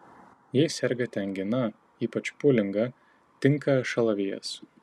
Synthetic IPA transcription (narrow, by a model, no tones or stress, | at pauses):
jɛɪsʲɛɾʲɡɐt̪ʲɛŋʲɡʲɪnɐ | iːpɐt͡ʃpʊlʲɪŋɡɐ | t̪ʲɪŋkɐʃɐlˠɐʋʲijɛ̰s